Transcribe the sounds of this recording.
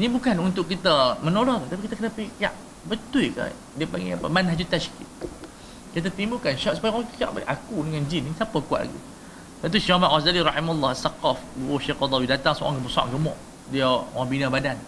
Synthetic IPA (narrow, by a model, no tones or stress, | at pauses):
nibukanunt̪ʊʔkːit̪əmənolɔht̪ut̪apikit̪akənapəikia̰ʔ | bət̪uika̰ | diəpaŋɡiapəmanɦad͡ʒut̪aʃki | kit̪̬at̪imukanʃɔʔsu̥pajwaŋpika̰ʔbaʔakudəŋand͡ʒinisapakua̰ʔ̚la̰ɡḭ | t̪at̪̬uʃɔmat̪ɣazd̪aliɾɑħimalːɑhasaqɔfbuoʃekɔd̪ˤɔwidat̪aŋsɔ̰ʔa̰ŋɡəbəsa̰ʔɡəmɔ̰ʔ | diaaŋbinabadan